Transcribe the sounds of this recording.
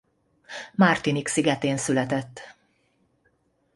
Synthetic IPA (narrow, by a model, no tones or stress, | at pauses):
mart̪iniksiɡɛt̪eːnsylɛt̪ɛt̪ː